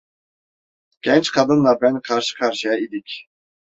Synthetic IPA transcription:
ɡ̥ʲɛnt͡ʃqʰɑd̪ɯnlˠɑɾbænqʰɑɾʃɯ̥qʰɑɾʃɯjɑid̪ikʲ

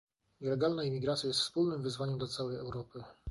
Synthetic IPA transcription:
ɲɛlɛɡalnaimʲiɡɾat̪sʲjajɛst̪fspulnɘmvɘzvaɲɛmd̪lat̪sawɛjɛwɾɔpɘ

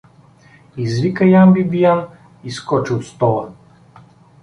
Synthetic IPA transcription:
izvikəjambibijan | iskɔt͡ʃiot̪st̪ɔlˠə

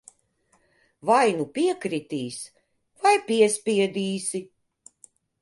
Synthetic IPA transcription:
vajnupiɛkɾit̪iːs | vajpʲiɛsʲpʲiɛd̪iːsi

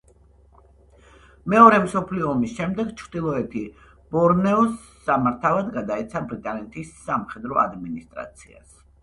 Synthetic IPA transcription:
mɛɔɾɛmsɔpʰliɔːmisʃɛmd̪ɛɡt͡ʃʰɾd̪ilˠɔɛt̪ʰi | b̥ɔɾnɛɔsː | amaɾt̪ʰavad̪ɡad̪aɛt̪sʰabɾit̪ʼanɛt̪ʰisːamχɛd̪ɾɔʔa̰d̪minist̪ʼɾa̰t̪sʰia̰s

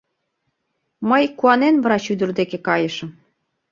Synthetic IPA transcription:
məjkuɑnenβɤ̆ɾɑɕyd̪ə̆rd̪ekekɑjɤ̆ʃɤ̆m

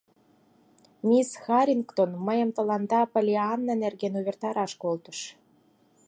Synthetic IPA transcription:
mʲisxɑɾʲinkt̪onməjə̆mt̪ə̆lɑnd̪ɑpolʲiɑnːɑnerɣenuβert̪ɑɾɑʃkolt̪ə̥ʃ

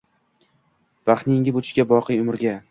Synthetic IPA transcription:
vaχnɪŋɡʲɪbʊt̪ʰɪ̥ʃkʲabɒqɨjʊmɪɾɡʲa

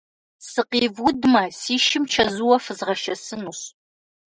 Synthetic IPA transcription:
sɨqiːvʊdmɐsiːʃɪmt͡ʃʰɐzuwɐfɨzʁɐʃɐsɨnuɕ

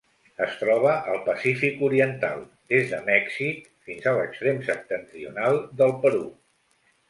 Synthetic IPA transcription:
əst̪ɾɔβ̞əʔəlˠpəsifikuɾiənt̪a̰lˠ | d̪ezðəmɛksik | finzələkst̪ɾemsəp̚t̪ənt̪ɾiṵnalˠd̪əlˠpəɾu

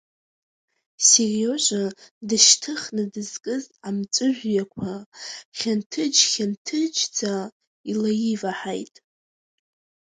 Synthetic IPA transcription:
sero̞ʒʷadɨʃtʰɨχnɨdɨzkʼɨzamt͡sʷʼɨʒᶣʷjakʷʰaχʲantʰɨd͡ʒχʲantʰɨd͡ʒd͡za | ilajivaħajtʼ

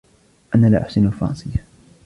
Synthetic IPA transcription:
ʔanaːlaːʔaħsɪnfɑɾˤɑ̰nsˤɨjːa

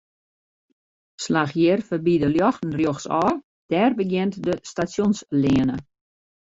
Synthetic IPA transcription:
slaxjɪrfərbidəljɔxtn̩rjoxsɔː | d̥ɛrbəɡjɪntdəstasjonslɪənə

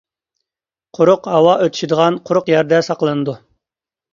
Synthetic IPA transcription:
qʰʊɾʊqhɑwɑʔøt̪ʰy̥ʃid̪əʁɑnqʰʊɾʊqjɛɾd̪ɛsɑqlˠɨnɨd̪u

